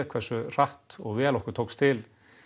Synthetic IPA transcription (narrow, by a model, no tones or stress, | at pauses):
kʰvɛr̥sʏr̥aht̪ɔɣvɛːlɔhkʏɾ̥t̪ʰoːwkst̪ʰɪl